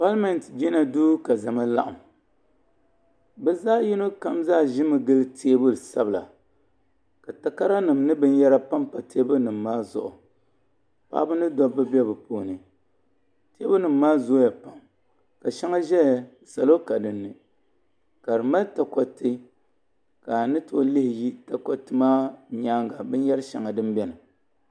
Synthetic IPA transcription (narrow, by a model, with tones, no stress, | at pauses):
fa˦lmɛ˨n˨td͡ʒi˦na˨duː˦ka˨za˨ma˦la̰˦ʔa˨m | bɛ˦zaː˦ji˦no˦ka˦mzaː˦˨ʒɪ˦mɨ˨ɡɨ˦ltʰeː˦bʊ˦lɨ˨sa˦bɨ˨la̰˨ | ka˨ta˨ka˦ɾa˦nɨ˨mnɨ˦bɨ˦njɛ˦ɾa˦pa˦mpa˨te˦bɨ˦nɨ˨mːaː˦zʊ̰˨ʔʊ˨ | pa̰ː˦bɨ˦nɨ˦dɔ˦bːɨ˦bɛ˦bɨ˨poː˨˦nɨ˨ | te˦bɨ˦nɨ˨mːaː˦zo˦ja˨pa˨m | ka˨ʃɛ˦ŋa˦ʒɛ˦˨˦sa˨lo˦ka˨dɨ˨nːɨ˨ | ka˨ɾɨ˨ma˦n˦ta˨kɔ˦tɨ˦ | ka˨nɨ˦to˦lɨ˦hɪ˨ji˦ta˦kɔ˦tɨ˦maː˦ɲaː˦ŋɡa˨bɨ˦n˦jɛ˦ɾʃa̰˨ŋa˨dɨ˦mbɛ˦nɨ˨